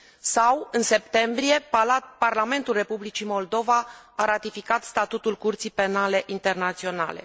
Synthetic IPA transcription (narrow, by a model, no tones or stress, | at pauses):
sawɨnse̞p̚t̪e̞mbɾije̞pparlame̞nt̪ulre̞publit͡ʃimo̞ld̪o̞vaaɾat̪ifikat̪st̪at̪ut̪ulkurt̪sijpe̞nale̞ʔint̪e̞rnat̪sio̞na̰le̞̰